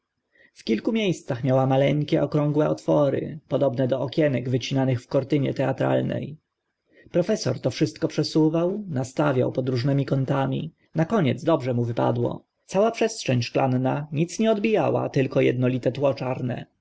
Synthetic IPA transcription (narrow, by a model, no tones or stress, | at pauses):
fkʲilkumʲjejst̪saxmʲjawamalɛŋkʲɛʔɔkɾɔ̃ŋɡwɛɔt̪fɔɾɘ̰pɔd̪ɔbnɛd̪ɔɔkʲɛnɛɡvɘt͡ɕinanɘxfkɔɾt̪ɘɲɛ̰t̪ɛat̪ɾa̰lnɛ̰j | pɾɔfɛsɔɾt̪ɔfʂɘst̪̚kɔpʂɛsuvawnast̪avʲja̰wpɔd̪ɾuʐnɛmʲikɔnt̪amʲḭ | nakɔɲɛd̪zd̪ɔbʐɛmuvɘpa̰d̪wɔ̰ | t̪sawapʂɛstʂɛɲʲʂklanːaɲit̪sɲɛɔd̪bʲija̰wa̰t̪ɘlkɔjɛ̰d̪nɔlʲit̪ɛt̪wɔt͡ʂaɾnɛ̰